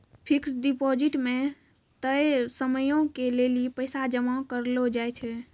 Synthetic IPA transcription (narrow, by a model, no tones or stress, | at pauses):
pʰiksɖipɔd͡ʒiʈmẽ | t̪əjsəməjõkelelipəjsad͡ʒəmakəɾlod͡ʒajt͡ʃʰɛ